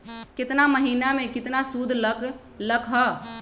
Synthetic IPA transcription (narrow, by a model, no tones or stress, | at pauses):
kɪt̪naməɦinamekɪt̪nasud̪ʱlək | ləkʰɦə